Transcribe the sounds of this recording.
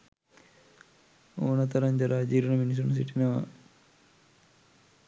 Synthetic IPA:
oːnɐt̪ɐɾɐɲd͡ʑɐɾaːd͡ʒiːɾunɐminis̬unus̬iʈinɐʋɐ̰

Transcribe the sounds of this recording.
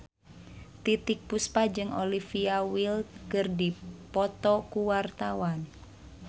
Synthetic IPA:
t̪it̪ik̚puspad͡ʒɨŋolifiawilkɨrdipɔt̪ɔkuwart̪awan

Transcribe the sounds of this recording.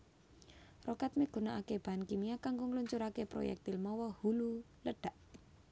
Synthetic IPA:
rɔkat̪̚miɡ̥ṳnaʔakeb̥ankimiakaŋɡoŋluɲt͡ʃuɾakepɾo̰jɛ̰k̚t̪ilmɔwɔhulu | ləɖ̥a̤ʔ

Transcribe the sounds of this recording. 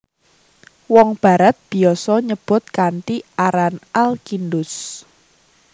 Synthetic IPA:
wɔŋb̥a̤ɾat̪̚b̥i̤ɔsɔɲəb̥ʊ̤t̪̚kant̪iʔaɾanʔalkindʊs

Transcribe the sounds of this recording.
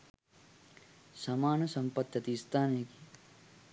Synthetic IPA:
sɐmaːnɐsɐmpɐt̪jɐt̪ist̪ʰaːneki̥

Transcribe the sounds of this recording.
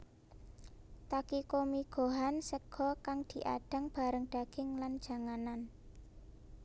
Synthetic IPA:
t̪akikomiɡ̥o̤ɦansəɡ̥ɔ̤kaŋd̪̥i̤ʔa̰ɖ̥a̤ŋb̥a̤ɾəŋɖ̥a̤ɡ̥ɪŋland̥ʒ̥a̤ŋanan

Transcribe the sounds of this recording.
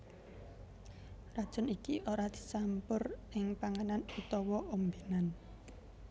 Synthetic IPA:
rad̥ʒ̥ɔ̤nikiʔoɾad̪̥i̥̤sampʊrɪŋpaŋananut̪ɔwɔombinan

